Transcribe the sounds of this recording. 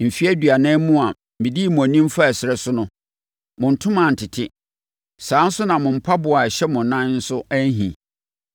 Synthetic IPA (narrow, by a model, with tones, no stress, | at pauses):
m̩˨fi˦æ˦dɥa˨nɪ̃˦mũ˦a˨ | mĩ˨di˦˨mʊ̃˨nĩ˦m˦fa˦æ˨sɪ˨ɾɛ˦sʊ˦nʊ̃˦ | mʊ̃˨n̩˨tʰʊ̃˦mã˨n̩˨tʰɪ˨tʰɪ˦ | saː˨˦n̩˦sʊ˦nã˨mʊ̃˨m̩˦pʰa˦bʊ˨a˨ɕɛ˦mʊ̃˨nã˦nn̩˦sʊ˦æ˦n˦ɦḭ̃˨